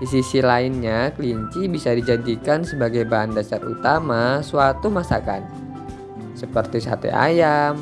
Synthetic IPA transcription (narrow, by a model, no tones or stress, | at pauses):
disisilaɪnɲakəliɲt͡ʃibisadid͡ʒadikansəbaɡajbaɦandasarṵt̪amasuat̪umasa̰ka̰n | səpərt̪isa̰t̪ɛ̰ʔa̰jam